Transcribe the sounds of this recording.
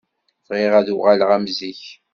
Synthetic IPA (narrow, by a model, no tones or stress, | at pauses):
θʁɪʁæðuʁalʁæmziç